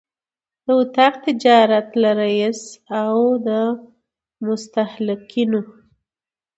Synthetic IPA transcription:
d̪̥əwʊt̪ɑqt̪ɪd͡ʒɑɾat̪laɾajisawd̪ə | mʊst̪ahlɪkino

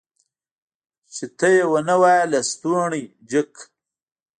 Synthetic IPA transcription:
t͡ʃit̪ɐjewɐnɐwaːjlɐst̪uɳi | d͡ʑik

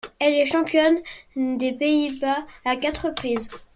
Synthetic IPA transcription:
ɛlɛʃɑ̃pjɔnd̪epeibaːkat̪χəpχiz

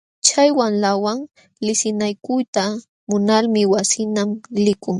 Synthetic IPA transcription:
t͡ʃajwanlawaŋ | lɪsɪnajkʊjt̪a | mʊnalmɪwasɪnamlɪkʊŋ

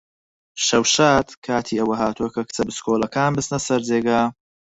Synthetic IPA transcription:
ʃɐwʃaːt̪kʰaːt̪ʰiːɐwɐɦaːt̪uɐkʰɐkʰɨ̥t͡sɐbɨskʰoːlɐkaːnbɨst̪nɐsɐɾd͡zeːɡaː

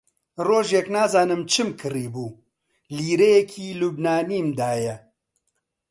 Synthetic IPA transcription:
roːʒjɛknaːzaːnɨmt͡ʃʰɨmkʰɨriːbuː | liːɾejɛkʰiːluːbnaːniːmd̪aːjɛ

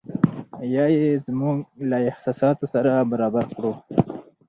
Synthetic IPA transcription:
jɑjezmuɡlaɪhsɑsɑt̪osaɾabaɾɑbaɾkɽu

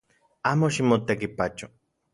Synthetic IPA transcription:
aːmoʃimot̪ekipat͡ʃo

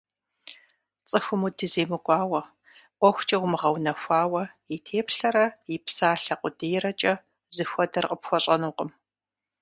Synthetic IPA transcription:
t͡sʼɨxʷʊmudɨzeːmɨkʷʼɑːwɐ | ʔʷɔxʷt͡ʃʼɐwʷmɨʁɐwnɐxʷaːwɐjitʰeːpɬɐɾɐjɪpsaːɬɐqʷʊdijɾɐt͡ʃʼɐ | zɨxʷɔdɐrqʼəpxʷɔɕʼɐnuːqəm

